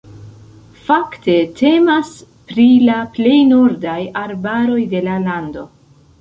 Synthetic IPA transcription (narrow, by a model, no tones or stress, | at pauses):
fakte̞tʰe̞mas | pɾilaple̞jnuɾdajaɾbaɾo̞jde̞lalando̞